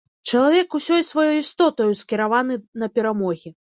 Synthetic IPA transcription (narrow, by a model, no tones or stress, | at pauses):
t͡ʂɐlˠavʲɛkusʲɔjsvajɔjist̪ɔt̪ɔjuskʲiɾavanɨnɐpʲɛɾamɔɣʲi